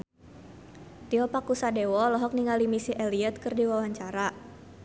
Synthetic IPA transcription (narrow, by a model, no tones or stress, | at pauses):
t̪iɔpakusadewɔlɔɦɔk̚niŋalimisiʔɛliət̪̚kɨrdiwawaɲt͡ʃaɾa